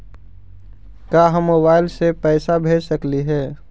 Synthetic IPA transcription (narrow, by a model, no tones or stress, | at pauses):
kaːɦəmːoːbaːɪlsepɛːsabʱeːd͡ʒsəkliɦɛː